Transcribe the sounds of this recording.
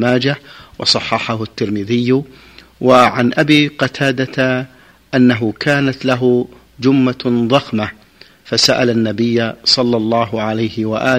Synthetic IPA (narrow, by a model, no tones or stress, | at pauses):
maːd͡ʒawɑ̰sˤɑħːɑħahʊt̪ːɪɾmɪðɪjː | waʕanʔabiːqɑt̪ʰaːd̪at̪a | ʔanːaɦʊkʰaːnat̪laɦʊ | d͡ʒʊmːaðˤɑxma | fasaʔalanːabɪjːasˤɑlːɑlˤːɑːɦʕalajhɪwaʔaː